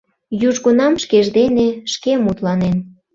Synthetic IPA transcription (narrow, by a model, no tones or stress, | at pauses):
juʒɣonɑmʃkeʒd̪eneʃkemut̪lɑnen